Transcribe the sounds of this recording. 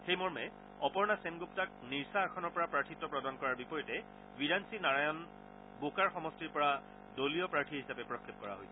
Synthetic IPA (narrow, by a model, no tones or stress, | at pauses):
xejmɔɹmɛ | ɔpɔɹnasenɡuptak̚niɹsaɛkʰɔnɔɹpɔɹapɹaɹtʰitːɔpɹɔdankɔɹaɹbipɔjɔtɛ | biɹansinaɹajɔn | bokaɹxɔmɔstiɹpɔɹa | dolijɔpɹaɹtʰiɦisapɛpɹɔkʰːep̚kɔɹa̰ɦojsɛ̥